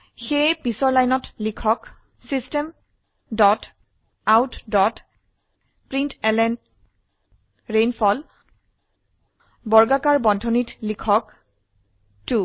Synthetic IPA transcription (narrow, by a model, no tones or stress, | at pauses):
xejpisɔɹlajnɔtlikʰɔk | sistɛm | dɔt | awtdɔt | pɹintɛlɛn | ɹenpʰɔl | bɔɹɡakaɹbɔndʱɔnitlikʰɔk | tu